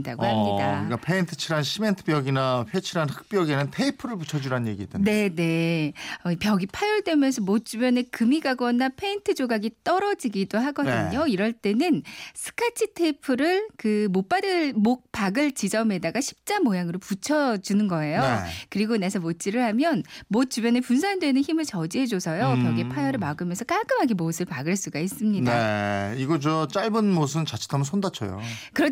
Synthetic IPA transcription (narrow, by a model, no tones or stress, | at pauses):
da̰ɡohaɲɲik͈a̰k͈apʰe̞intʰɯ̥t͡ɕʰiɾanɕʰime̞ntʰɯ̥pjʌɡinaɸjet͡ɕʰiɾanhɯ̥k̚p͈jʌɡinɯntʰe̞ipʰɯɾɯɭput͡ɕʰʌd͡ʑuɾanɯnɲjeɡiḛt͈enne̞ne̞ʌipjʌɡipʰajuɭd͈wemjʌnsʰʌmot͡ɕ͈umjʌne̞kɯmiɡaɡʌnapʰe̞intʰɯd͡ʑoɡaɡit͈ʌɾʌd͡ʑiɡidoɦaɡʌndɯ̰ɲoiɾʌɭt͈e̞nɯnsʰɯ̥kʰat͡ɕʰitʰe̞ipʰɯɾɯɭkɯmop͈adɯɭmok̚p͈aɡɯɭt͡ɕid͡ʑʌme̞daɡaɕʰi̥p̚t͡ɕ͈amojaŋɯɾoput͡ɕʰʌd͡ʑunɯnɡʌe̞jokɯɾiɡonesʰʌmot͡ɕ͈iɾɯɭhamjʌnmot̚t͡ɕ͈ubjʌnepuns̬ʰandwe̞nɯnçimɯɭt͡ɕʌd͡ʑiɦe̞d͡ʑosʰʌjokpjʌɡipʰajʌɾɯɭmaɡɯmjʌnsʰʌk͈aɭk͈ɯmɦaɡimosʰɯɭpaɡɯɭs͈uɡais͈ɯmɲinaeiɡʌd͡ʑʌt͡ɕ͈aɭbɯnmos̬ʰɯnnt͡ɕat͡ɕʰi̥tʰamʌnsʰondat͡ɕʰʌ̰jo̰kɯɾʌ